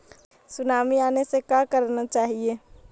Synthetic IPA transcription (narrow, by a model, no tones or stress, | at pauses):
sʊnaːmiaːnesekakəɾnat͡ʃaːɦieː